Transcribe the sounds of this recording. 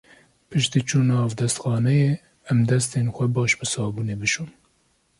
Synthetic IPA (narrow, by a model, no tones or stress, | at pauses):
pɨʃt̪iːt͡ʃʰuːnɑːvd̪ɛst̪xɑːnɛjeː | ɛmd̪ɛst̪eːnxʷɛbɑːʃbɨsɑːbuːneːbɨʃun